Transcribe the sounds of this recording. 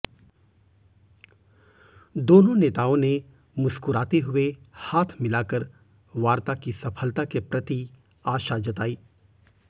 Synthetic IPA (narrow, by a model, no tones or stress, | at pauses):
d̪oːnõneːt̪aːõne | mʊskʊɾaːt̪eɦʊehaːt̪ʰmɪlaːkəɾ | ʋaːɾt̪akisɐpʰəlt̪akepɾɐt̪i | aːʃad͡ʒɐt̪aːiː